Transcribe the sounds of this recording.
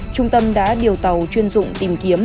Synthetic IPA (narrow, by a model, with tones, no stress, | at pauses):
t͡ɕʊ˧ŋ͡mt̪ə˧mɗa̰ː˧˥ɗi˨˩əwt̪ə˨˩wt͡ɕwi˧ənzʊ̰˧˨ŋ͡mt̪i˨˩mki˨˦əm